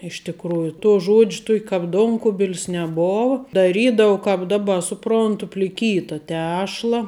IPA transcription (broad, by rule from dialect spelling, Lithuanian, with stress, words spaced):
ɪʃ tʲɪkˈruːjʊ toː ˈʒoːt͡ʃʲ toːkʲ kɐp ˈdoːŋkʊbʲɪlʲs nʲɛˈboːw dɐˈrʲiːdɐʊ kɐp ˈdɑːˌbɐ sʊˈproːntʊ pʲlʲɪˈkʲiːtɐ ˈtʲæːʃlˠɐ